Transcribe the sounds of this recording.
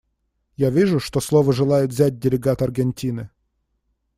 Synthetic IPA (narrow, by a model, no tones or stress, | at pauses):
javʲiʐʊʂt̪oslˠovəʐɨlˠajʊt̪vzʲæt̚ʲdʲɪlʲɪɡat̪ɐrɡʲɪnʲtʲinɨ